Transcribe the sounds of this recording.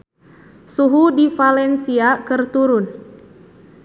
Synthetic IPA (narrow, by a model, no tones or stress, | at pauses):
suɦudifalɛnsiakɨrt̪uɾʊn